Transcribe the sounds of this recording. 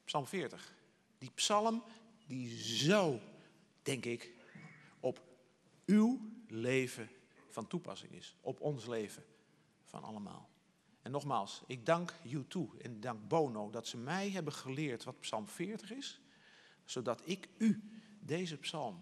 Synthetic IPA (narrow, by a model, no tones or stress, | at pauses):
psɑlˠmfɪːɹtəχ | d̥ipsɑlˠm | dizow | d̥ɛŋkɪk | ɔp | ywlejvə | fɑntupɑ̰sɪ̰ŋɪ̰sʔɔpɔnslejvə | fɑ̰nʔɑ̰ləma̰ːlˠ | ɛnːɔχmaːlˠsɪɡ̚dɑŋkjutʰuɛ̰ndɑŋk̚boːnowdɑtsəmɛjɦɛbəχəlɪːɹtʋɑtpsɑlˠmfɪːɹtəχɪs | sowdɑtɪkydejzəpsɑlˠm